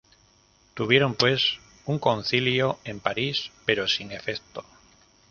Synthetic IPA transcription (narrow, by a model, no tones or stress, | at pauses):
t̪uβ̞jeɾo̞mpwe̞s | uŋko̞n̟θiljoẽ̞mpaɾispe̞ɾosiŋe̞feθt̪o